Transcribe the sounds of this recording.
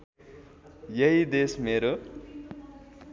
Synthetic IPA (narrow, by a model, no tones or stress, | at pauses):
jʌɦid̪esmeɾo